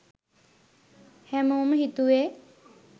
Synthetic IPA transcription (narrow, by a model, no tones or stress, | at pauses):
hɛmomɦit̪ue